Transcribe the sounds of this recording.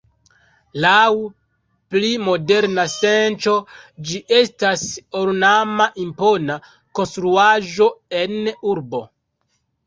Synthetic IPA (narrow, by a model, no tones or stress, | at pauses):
law | plimo̞deɾnase̞nt͡ʃo̞d͡ʒiʔe̞stasoɾnamaʔimpo̞na | konstɾuaʒo̞e̞nuɾbo̞